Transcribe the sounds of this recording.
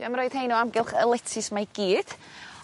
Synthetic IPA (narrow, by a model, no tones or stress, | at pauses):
əmɾoːɨð̥hejnuamɡɪlˠχəlˠɛtʰɪsmaɡ̥iːd̥